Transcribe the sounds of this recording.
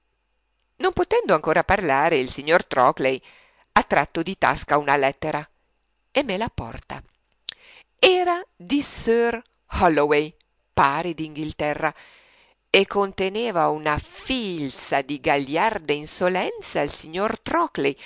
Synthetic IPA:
nompot̪ɛnd̪oaŋkoːɾaparlaːɾeilsiɲːort̪ɾɔklej | at̪ːɾat̪ːod̪it̪a̰skaunalɛt̪ːeɾa | emːelapɔ̰rt̪a̰ | ɛːɾad̪isør | hɔlowej | paːɾed̪iŋɡilt̪ɛrːa | ekːont̪eneːvaunafilsad̪iɡaʎjard̪einsolɛnt̪saːlsiɲːort̪ɾɔklej

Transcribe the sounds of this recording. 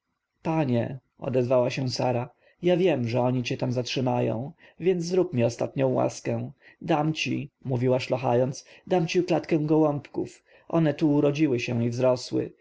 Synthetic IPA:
paɲɛ | ɔ̰d̪ɛzvawaɕɛ̃saɾa | javʲjɛmʐɛɔɲit͡ɕɛt̪amzatʂɘmajɔ̰̃w̃ | vʲjɛnd̪zzɾupmʲjɛɔst̪at̪ɲɔ̃w̃wa̰skɛ̃ | d̪amt͡ɕimuvʲiwaʂlɔxa̰jɔnd̪sd̪amt͡ɕiklat̪kɛ̃w̃ɡɔwɔmpkṵf | ʔɔ̰nɛt̪uːɾɔd͡ʑiwɘɕɛ̃ivzɾɔswɘ̰

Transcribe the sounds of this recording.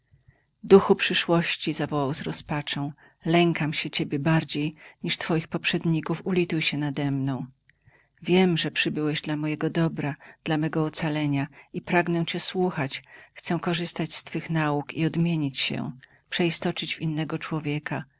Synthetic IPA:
d̪uxupʂɘʂwɔɕt͡ɕizavɔwawzɾɔspat͡ʂɔ̃w̃ | lɛŋkamɕɛt͡ɕebʲjɛbaɾd͡ʑejɲiʂt̪fɔjixpɔpʂɛd̪ɲikufulʲit̪ujɕɛnad̪ɛmnɔ̃w̃ | vʲjɛmʐɛpʂɘbɘwɛʑd̪lamɔjɛɡɔd̪ɔbɾad̪̥lamɛɡɔɔt̪salɛɲaipɾaɡnɛ̃t͡ɕɛswuxat͡ɕxt̪sɛkɔʐɘst̪at͡ɕst̪fɘxnaukiɔd̪mʲjeɲit͡ɕɕɛ̰ | pʂɛist̪ɔt͡ʂɘd͡ʑvʲinːɛɡɔt͡ʂwɔvʲjɛka

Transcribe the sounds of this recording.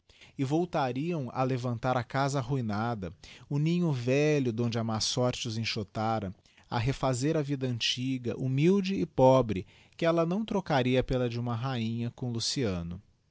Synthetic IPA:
ɪvowt̪aɾiɐ̃w̃ɐ̰levɐ̃nt̪aɾɐkazɐɦuinad̪ɐʊnĩɲʊvɛʎʊd̪õnd͡ʒɪɐmasɔɾt͡ʃɪʊzẽʃot̪aɾɐ | a̰ɦefazeɾɐvid̪ɐɐ̃nt͡ʃiɡɐ̰ʔumiwd͡ʒɪːpɔbɾɪ | kɪɛlɐnɐ̃w̃t̪ɾokaɾiɐpelɐd͡ʒɪũmɐɦaĩɲɐkõlusiɐ̃nʊ

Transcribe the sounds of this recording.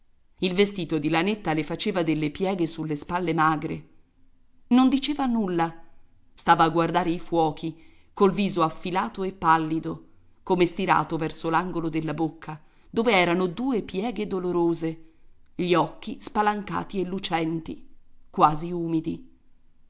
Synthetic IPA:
ilvest̪iːt̪od̪ilanet̪ːalefat͡ʃeːvad̪elːepjɛːɡesulːespalːemaːɡɾe | nond̪it͡ʃeːvanulːa | st̪aːvaːɡːward̪aːɾeifwɔːkʰi | kolviːzoafːilaːt̪oepːalːid̪o | komest̪iɾa̰ːt̪ovɛrsolaŋɡolod̪elːabokːa | d̪oːveɛːɾanod̪uːepjɛːɡed̪oloɾoːzeʎiɔkːispalaŋka̰ːt̪ielːut͡ʃɛnt̪ikwaːziuːmid̪i

